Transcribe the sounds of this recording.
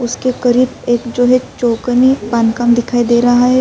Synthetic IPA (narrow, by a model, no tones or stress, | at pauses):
ʊskekɐɾiːbeːkd͡ʒoːɦɛt͡ʃoːknipaːnkamd̪ɪkʰaːid̪eːɾɐɦaɦɛ